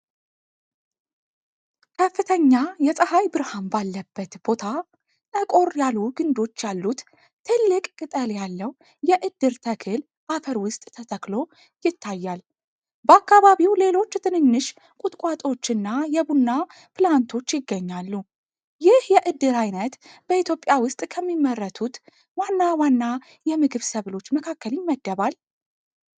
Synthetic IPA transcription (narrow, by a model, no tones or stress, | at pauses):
kʰəfːɨt̪ʰəɲːajɛsʼəhajbɨɾhambalːəbːət̪b̥o̞t̪ʰa | t̪ʼəkʼo̞ɾjalːuɡɨnd̪o̞t͡ʃːjalːut̪ | t̪ʰɨlːɨkʼkʼɨt̪ʼəljalːəw | jɛʔɨd̪ːɨɾt̪ʰəkʰɨl | ʔafəɾwʊst̪ʼt̪ʰət̪ʰəklo̞ | jɪt̪ʰːajːal | bəakːaβaβiwle̞lo̞t͡ʃːt̪ʰɨnɨnːɨʃ | kʼut̪ʼkʼat̪ʼo̞t͡ʃːɨnːajɛbunːa | plant̪ʰo̞t͡ʃːjɪɡːəɲːalːu | jɪhjɛʔɨd̪ːɨɾajnət̪b̥əit̪jo̞pʼjawʊst̪ʼkʰəmːimːərːət̪ʰut̪ | wanːawanːa | jɛmɨɡɨβsəβlo̞t͡ʃːməkʰakʰːəljɪmːəd̪ːəβal